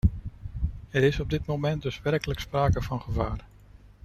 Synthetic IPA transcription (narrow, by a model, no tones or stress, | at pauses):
ɛɾɪsɔb̚dɪtmomɛn̚dɵsʋɛrkələkspraːkəvɑnχəvaːr